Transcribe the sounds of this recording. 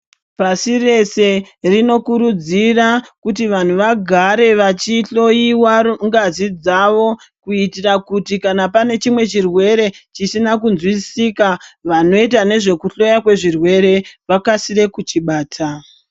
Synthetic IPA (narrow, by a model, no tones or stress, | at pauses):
pasire̞se̞ | rino̞kuɾud͡zirakutiʋan̤uʋaɡʱaɾe̞ʋat͡ʃiɬo̞jiwaŋɡazid͡zaʋo̞ | kuitirakutikanapane̞t͡ʃimwe̞t͡ʃirwe̞ɾe̞t͡ʃisinakunzwisiːkaʋano̞it̬ane̞ʐe̞kuɬo̞jakwe̞ʐirwe̞ɾe̞ʋakasiɾe̞kut͡ʃiɓaːtʰa